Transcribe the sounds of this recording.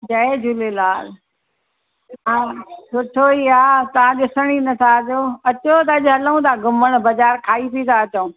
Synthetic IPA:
d͡ʑɐed͡ʑʱuːlelaːl | ɦãːsʊʈʰoiaːt̪ɐʋ̤ãɗɪsəɽ̃inɐt̪ʰaɐd͡ʑoɐt͡ɕot̪ɐɐʄɦɐləũt̪ʰaɡʊməɽ̃bɐzaːɾkʰaːip̪it̪ʰaɐt͡ɕõ

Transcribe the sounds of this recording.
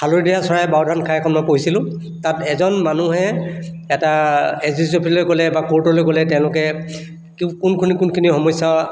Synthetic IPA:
hʰaloɹidijasɔɹajbawdʱankʰaɛkʰɔnmɔjpoɦisilʊ̃ | tatɛzɔnmanuɦɛ | ɛtaɛsisopʰilojɡɔlɛbakoɹtɔlojɡɔlɛtɛ̃ʊ̃lʊkɛ | kkunkʰunikunkʰinihɔmɔjsa

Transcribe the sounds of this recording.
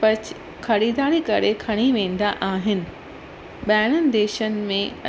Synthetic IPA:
pɐt͡ɕ | xɐɾiːd̪aːɾikɐɾekʰɐɽ̃iʋẽːn̆d̪aʔaːɦɪnɪ̆ | ɓaːɪɽ̃ənɪ̆d̪eːʃənɪ̆mẽɐ

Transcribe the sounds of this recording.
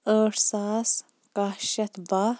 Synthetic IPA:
əːʈsaːs | kaʃɐt̪ba

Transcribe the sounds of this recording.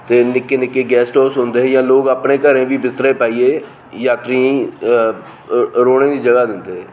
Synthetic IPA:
t̪eːnɪkːeːnɪkːeːɡɛːsʈɔːsɦʊ̃ːnd̪eːɦɛjãːloːɡaːpneːkəɾẽːʋiːbɪst̪ɾeːpaːiːeː | jaːt̪ɾĩː | ɾoːɽẽːd̪iːd͡ʒəɡaːd̪ɪnd̪eːɦɛː

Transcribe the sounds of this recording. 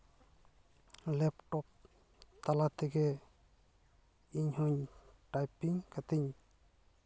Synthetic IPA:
lɛpʈɔp̚ | t̪alat̪ɛɡɛ | iɲhɔɲʈajpiŋkat̪iɲ

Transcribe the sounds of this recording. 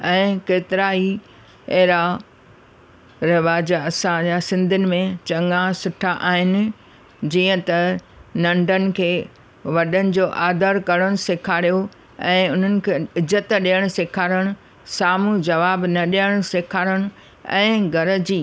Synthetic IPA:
ɛ̃ːkeːt̪ɪɾaːi | eɦɾa | ɾɪʋaːd͡ʑɐsãd͡ʑaːsɪ̃nd̪ʱɪnɪ̆mẽt͡ɕɐ̃ŋasʊʈʰaʔaːɦɪnɪ̆ | d͡ʑiːə̃t̪ɐ | nɐ̃ɳɖʱənɪ̆kʰeː | ʋɐɗənɪ̆d͡ʑoːʔaːd̪əɾkɐɾəɽ̃ʊsɪkʰaːɽijo | ɛ̃ːʊn̤ənɪ̆kʰeːɪzət̪ɗiəɽ̃sɪkʰaːɾə̃ʊ | saːmud͡ʑɐʋaːbnɐɗiəɽ̃sɪkʰaːɾəɽ̃ | ɛ̰̃ːɡʱɐɾəd͡ʑiː

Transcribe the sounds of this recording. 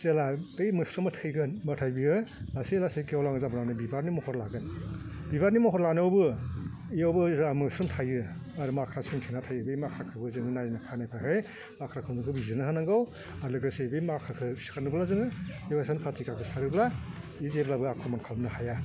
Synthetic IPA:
zeladɯjmɯsɾɯmɯtʰɯjɡɯnmɯtʰajbiɯlaselasekewlaŋɯzabnawnɯbibaɾnimɔhɔɾlaɡɯnbibaɾnimɔɦɔɾlanɯwbɯ | iowbɯamɯsɾɔmtʰajɯaɾɯmakʰɾasɯŋtʰenatʰajɯbɯjmakʰɾakʰɯbɯzɯŋɯnajnakʰanajpʰɯɦɯj | makʰɾakʰɯnɯkʰɯbizɯnɯɦɯnaŋɡaw | alɯɡɯsebɯmakʰɾakʰɯsi̥kʰanɯblazɯŋɯewajsanpʰatikakʰɯsaɾɯblaizeblabɯakʰɔmankʰalmnɯhaja

